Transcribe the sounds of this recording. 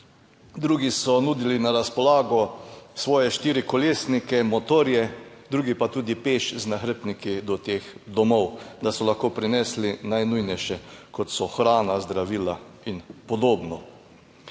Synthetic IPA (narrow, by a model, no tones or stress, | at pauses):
d̪ɾuːɡisɔnuːd̪ilinaɾaspɔlaːɡɔsʋɔːjɛʃt̪iːɾikɔleːsnikɛmɔt̪oːɾjɛd̪ɾuːɡipat̪uːd̪ipeːʃznaxɾəpnikid̪ɔt̪eːxd̪ɔmɔwd̪asɔlaxkoːpɾinɛslinajnujnɛjʃɛkɔt̪sɔxɾaːnazd̪ɾaʋiːlainpɔd̪oːbnɔ